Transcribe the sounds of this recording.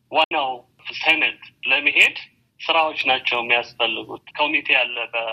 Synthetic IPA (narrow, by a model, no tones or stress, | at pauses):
wanaw | fɨlt̪ʰenət̪ləmːiɦe̞d̪ | sɨɾawot͡ʃːnat͡ʃːɛwɛmːijasfəlːɨɡut̪kʰo̞mit̪ʰe̞jalːəbə